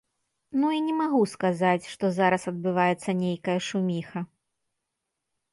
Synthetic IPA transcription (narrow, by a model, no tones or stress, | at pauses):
nuinʲɛmaɣuskazat͡sʲʂt̪ɔzaɾɐsɐd̪̚bɨvajɛt̪sːɐnʲejkɐjɐʂumʲixɐ